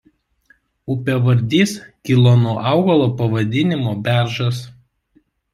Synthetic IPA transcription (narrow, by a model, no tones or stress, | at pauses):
ʊpʲeʋɐɾʲd̪ʲiːskʲilˠoːnoɔʔɑˑʊɡɐlˠoːpɐʋɐd̪ʲɪnʲɪmoːbʲæˑɾʒɐs